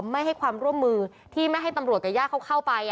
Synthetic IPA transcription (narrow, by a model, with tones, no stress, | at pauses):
mːa˥˩jɦa˥˩jkʰwaː˧mɾu˥˩əmːɯː˧ | t̪ʰiː˥˩ma˥˩jɦa˥˩jt̪a˧mɾu˨˩ət̪̚ka˨˩jaː˥˩kʰːa˥˩kʰa˥˩wpa˧j